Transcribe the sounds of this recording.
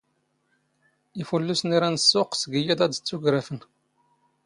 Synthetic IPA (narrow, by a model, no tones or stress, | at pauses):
ifulːusniɾænsːʊqsəɡəjæd̪æd̪t͡sːuɡɾæfən